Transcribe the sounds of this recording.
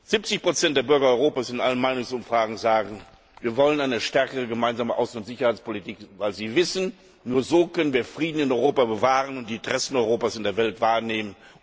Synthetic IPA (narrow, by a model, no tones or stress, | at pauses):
z̥ip̚t͡sɪçpʁ̥ot͡sɛntd̥eːɐbʏɐɡɐɔʏʁoːpaːsɪnʔa̰lənmaɪnʊŋsʊmfʁ̥aːɡŋ̩zaːɡŋ̩ | viːɐvɔlənaɪnəʃtɛɐkəʁəɡəmaɪnzaːməʔa̰ʊsn̩ʊntz̥ɪçɐhaɪt͡spolitiːkvaɪlziːvɪsn̩ | nuːɐzoːkʰœnənviːɐfʁ̥iːdn̩ɪnɔʏʁoːpabəvaːʁənʊnt̚d̥iːtʁɛsn̩ɔʏʁoːpaːsɪndeːɐvɛltv̥aːɐneːmən